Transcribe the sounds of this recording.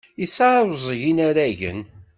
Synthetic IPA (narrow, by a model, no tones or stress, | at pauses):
isaɾzˤʝinaɾæʝə̰n